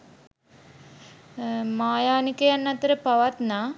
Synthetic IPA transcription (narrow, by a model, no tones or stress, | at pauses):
maːjaːnikəjanːat̪əɾəpaʋat̪naː